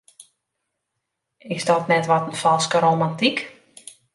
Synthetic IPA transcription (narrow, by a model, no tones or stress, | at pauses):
ɪsdɔtnɛtʋɔtən̩fɔlˠskəɾomantik